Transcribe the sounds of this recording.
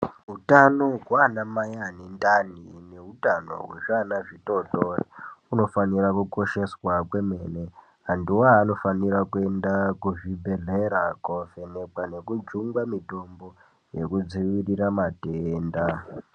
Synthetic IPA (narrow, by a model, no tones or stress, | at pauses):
ɦutano̞ɡʱwanamajanindanineɦutano̞̰ɦwe̞ʐanaʐito̞toriuno̞fanirakuko̞ʃe̞swakwe̞me̞ne | ɦandiwaːno̞fanirakue̞ndakuʐibʱe̞ɮeɾakofenekwane̞kud͡ʒuŋɡamito̞mbo̞ | je̞kud͡ziʋiriramateːnda